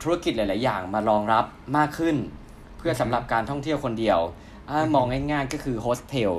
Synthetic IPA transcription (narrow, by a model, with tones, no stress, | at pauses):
t̪ʰu˦˥a˥˩ki˨˩laː˨˦laː˩˦jːaː˨˩ŋmaː˧ɾɔː˧ŋɾa˦˥p̚maː˥˩kʰːɯ˥˩n | pʰɯ˥˩ɐsa˨˩˦mɾa˨˩p̚kaː˧nt̪ʰɔ˥˩ŋt̪ʰi˥˩əwkʰo˧ndi˧əw | ʔa˥˩mɔː˧ŋha˥˩jŋaː˥˩jkɔː˥˩kʰɯː˧hʰoː˦˥st̪ʰe˧w